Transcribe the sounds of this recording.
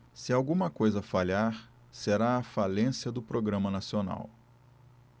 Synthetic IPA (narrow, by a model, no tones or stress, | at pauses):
sɪawɡũmɐkojzɐfaʎaɾ | seɾaɐfalẽsjɐd̪ʊpɾoɡɾɐ̃mɐnasiona̰w